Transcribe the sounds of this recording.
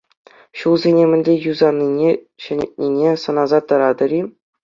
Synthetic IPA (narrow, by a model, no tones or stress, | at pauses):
ɕulˠzʲenʲemʲɘ̆nʲlʲejuzɑnʲːinʲe | ɕɘ̆nʲḛt̪̚ʲnʲinʲesɤ̆nɑzɑt̪ɤ̆ɾɑd̪ɤ̆ɾʲi